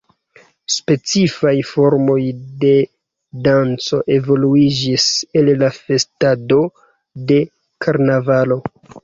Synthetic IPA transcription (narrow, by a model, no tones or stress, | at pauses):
spe̞t͡sifajfo̞ɾmo̞jde̞ | dant͡so̞ʔe̞vo̞luid͡ʒisellafe̞stado̞ | de̞ | kʰaɾnavalo̞